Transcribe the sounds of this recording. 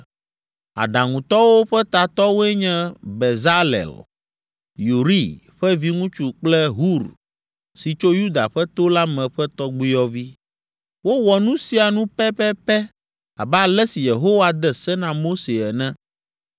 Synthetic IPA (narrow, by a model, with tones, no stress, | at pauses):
a̰˨ɖa˨ŋũ˨t̪ɔ˦wo˦ɸɛ˦t̪a˨t̪ɔ˦wo˦ɛ˦ɲɛ̃˦bɛ˨za˦lɛ̰˨l | ju˨ɾi˦ | ɸɛ˦vi˦ŋũ˦t͡ʃu˨k͡plɛ˦ɦu˦˨ɾ | si˨t͡ʃo˦ju˦d̪a̰˨ɸɛ˦t̪o˦la˦mɛ̃˨ɸɛ˦t̪ɔ˦ɡ͡bi˦jɔ˦vi˦ | wo˦wɔ˨nũ˦si˨˦a˨nũ˦pɛ˦pɛ˦pɛ˦ | a̰˨bɛ˦a˨lɛ˦si˨je˨ɦo˦wa˨d̪ɛ˦˨sɛ˦nã˨mo˦se˨ɛ˨nɛ̃˦